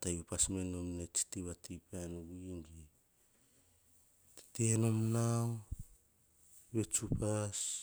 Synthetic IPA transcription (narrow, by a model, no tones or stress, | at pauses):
tajupasmenomnet͡ʃi̥tiβatʰipanuɡuŋɡi | ttenomnaw | βet͡ʃupas